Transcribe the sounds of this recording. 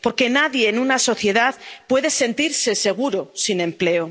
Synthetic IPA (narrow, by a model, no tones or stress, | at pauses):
po̞ɾke̞naðje̞ːnunaso̞θje̞ðaðpwe̞ðe̞se̞nt̪iɾse̞se̞ɣ̞uɾosinẽ̞mple̞o